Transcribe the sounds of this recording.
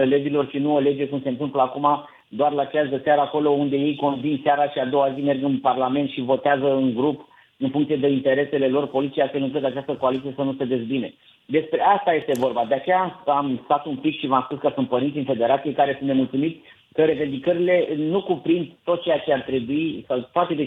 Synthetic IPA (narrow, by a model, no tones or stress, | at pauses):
led͡ʒilo̞rʃinuole̞d͡ʒe̞kumse̞ɨnt̪ɨmpləakuma | d̪oarlat͡ʃeasd̪əseaɾəːko̞lo̞und̪e̞je̞jko̞nvinsaɾaʃiad̪o̞wazime̞rɡɨnparlame̞nt̪ʃivo̞t̪eazəɨŋɡɾup | ɨnfuŋkt̪ijed̪e̞int̪e̞ɾe̞se̞le̞lo̞rpo̞lit̪sijafelɨŋklət̪at͡ʃast̪əko̞alit̪sije̞sənust̪end̪e̞tsʲbine̞ | d̪e̞spɾe̞ast̪aje̞st̪e̞vo̞rbad̪eat͡ʃejaamst̪at̪umpikʃivamspuskəsunt̪̚pəɾintsʲinfe̞d̪e̞ɾat̪sijekaɾe̞sunt̪ne̞mult̪sumit̪sʲ | kəɾe̞ve̞nd̪ikəɾile̞nukupɾind̪t̪o̞t̪̚t͡ʃejat͡ʃe̞art̪ɾe̞buisawt̪oat̪e̞d̪e